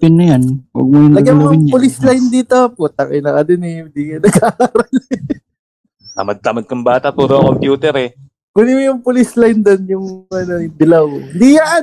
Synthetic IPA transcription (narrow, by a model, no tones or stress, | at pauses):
pɪnːɐjanwɐ̰ɡ̚mʊjʊŋnɐɡɡamojʊppʊlislajnd̪iːt̪op̚ʊt̪ɐkɪjnɐkɐd̪ɪnɛɪnd̪iŋɐnɐɡaːaːɾɐl | t̪a̰mɐd̚t̪amɐd̪̚kɐŋbaːt̪ɐpuːɾoɐŋkompjuːt̪ɛɾɛ | kʊnimʊjʊŋpʊlislajnd̪onjʊŋɐnod̪ɐlawɪnd̪ijaʔa